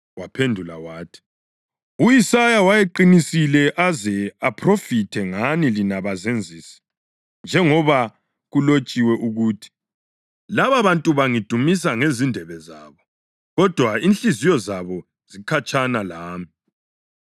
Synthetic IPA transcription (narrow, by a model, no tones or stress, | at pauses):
wapʰendʱulawaːtʰi̥ | ujisajawajeǃinisilɛʔazɛapʰrofitʰɛŋanilinaβazend͡zʱiːsi̥ | nd͡ʒʱɛŋɔβa | ɣulot͡ʃʼiwɛʔuɣuːtʰi̥ | laβaβantʼuβaŋid̥ʱumis̬aŋezindʱɛβɛzaːβɔ | ɣɔd̥ʱwainɬizijɔzaβɔ | z̥ikʰat͡ʃʰʼanalaːmi